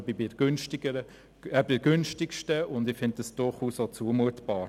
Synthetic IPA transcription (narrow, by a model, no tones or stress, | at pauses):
bibɪɡ̥ønʃtɪɡəɾə | ɛbɪɡ̥ʏnʃtɪkʃtəʊndɪfɪnt̚d̥əsd̥ʊɾχuːsot͡suəmuətb̥ɑːɾ